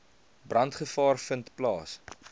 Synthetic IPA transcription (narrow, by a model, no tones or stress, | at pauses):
brɐntχəfɑːrfəntplɑːs